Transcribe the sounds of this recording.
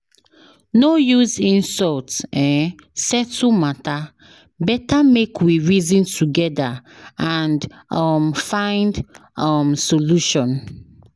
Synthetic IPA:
nojuzĩnsɔltɛ̃n | sɛtʰumata | bɛtamekʰwiɹizĩntʰuɡɛdaãnd | ɔmfãɪ̃ndʌmsoluʃɔ̃n

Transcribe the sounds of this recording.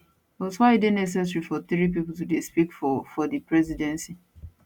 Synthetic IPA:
wɔswaɪidɪdnɛs̬ɛs̬ɾifɔt̪ɾip̬ipʊtudespikfɔfɔdipɾɛzidɛ̃nsi

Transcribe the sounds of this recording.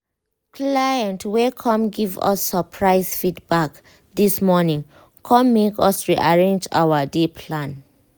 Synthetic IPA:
kʰlajɛ̃ntʰwɛkʰɔ̃mɡivɔ̰sːəpʰɹaɪsfitbak | dismɔnĩŋ | kʰɔ̃mːekɔsɹiʔaɹẽnd͡ʒa̰wədepʰlãn

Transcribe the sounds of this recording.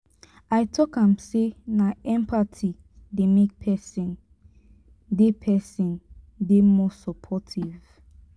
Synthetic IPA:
aɪtʰɔkãmsenaɛ̃mpʰatʰi | demek̚pʰɛsĩn | depʰɛsĩn | demɔsɔpʰɔtʰiv̥

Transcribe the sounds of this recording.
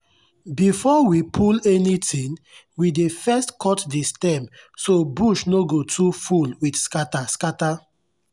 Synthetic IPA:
bifɔwipʰulɛnitʰĩn | widefɛstkʰɔtdistɛ̃msobuʃnoɡotʰufulwidskataskata

